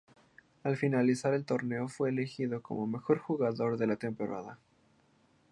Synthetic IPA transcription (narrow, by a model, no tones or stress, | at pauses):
alfinalisaɾe̞lt̪o̞ɾne̞ofwe̞ːlexiðo̞ko̞̰mo̞me̞xo̞ɾxuɣaðo̞ɾðe̞lat̪e̞mpo̞ɾa̰ða